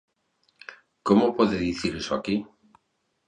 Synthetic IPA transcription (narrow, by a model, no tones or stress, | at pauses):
komopoðeðiθiɾesoa̰ki